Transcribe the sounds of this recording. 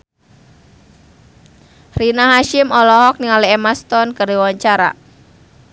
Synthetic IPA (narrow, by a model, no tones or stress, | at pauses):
rinaɦaʃɪmɔlɔɦɔk̚niŋaliemast̪ɔnkərdiwaɲt͡ʃaɾa̰